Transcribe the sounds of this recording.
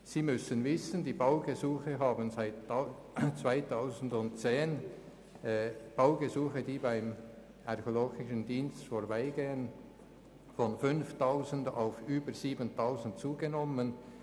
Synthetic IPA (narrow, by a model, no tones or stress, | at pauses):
ziːmʏsənvɪsəndiːbaʊɡezuːxəɦaːbənzaɪt | t͡svaɪtʰaʊzn̩dʊnt̚t͡seːn | b̥aʊɡezuːxədiːbaɪm | ʔaʁçoloːɡɪʃəndiːnstfoːɾbaɪɡeːən | fɔnfʏnftʰaʊzən̩da̰ʊfʔyːbəʁz̥iːbəntʰaʊzn̩t̚t͡suːɡənɔmən